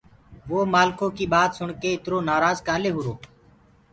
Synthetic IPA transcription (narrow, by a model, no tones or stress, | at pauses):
ʋoːmaːlkõːkiːɓaːt̪sʊɳkeːɪt̪ɾoːnaːɾaːzkaːleːɦʊɾoː